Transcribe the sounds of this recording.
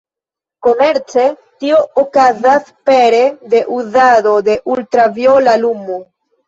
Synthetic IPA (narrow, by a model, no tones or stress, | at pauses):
ko̞me̞ɾt͡se | tio̞okazaspeɾe̞de̞ʔuzado̞de̞ʔultɾavjolalumu